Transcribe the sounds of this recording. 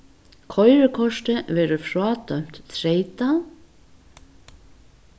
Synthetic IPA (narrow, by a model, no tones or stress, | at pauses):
kʰɔjɾɪkʰɔʂt̪ɪvɛːɾʏfɾaːt̪œm̥t̪t̪ʰɾeːjt̪a